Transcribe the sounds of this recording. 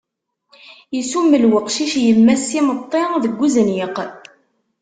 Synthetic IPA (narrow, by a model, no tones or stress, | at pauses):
jəsumːəlwəqʃiʃjəmːæsimət̪ˤːeʁðəɡʷːuzənjɪq